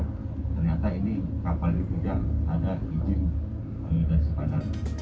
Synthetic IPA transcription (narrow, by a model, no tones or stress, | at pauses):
t̪ərɲat̪ainikapalitud͡ʒaŋadaid͡ʒɪn | a̰ludasəkadar